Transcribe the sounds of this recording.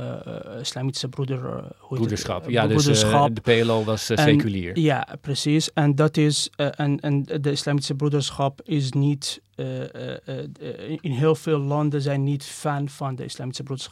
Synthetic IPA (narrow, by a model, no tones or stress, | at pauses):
ɪslaːmisəbrudəɹhuedəsɑ̰pjaudəsχɑpdəpeloʋɑsɛkylḭːɹja̰prəsisɛndɑtɪsʔɛnɛndəɪslaːmisəbrudəɹsχɑpɪs̬nit | ɪnɦeːlˠfeːlˠːɑndəzɛjnːitfɛnvɑndə̰ɪ̰slaːmisəbrudəɹs